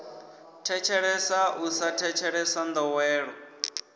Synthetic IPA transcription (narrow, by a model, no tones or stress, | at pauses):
tʰɛt͡ʃʰɛɺɛsausatʰɛt͡ʃʰɛɺɛsand̪ɔwɛːɺɔ